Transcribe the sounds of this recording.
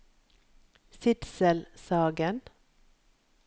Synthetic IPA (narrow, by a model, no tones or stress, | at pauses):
sɪt̪səlsɑːɡən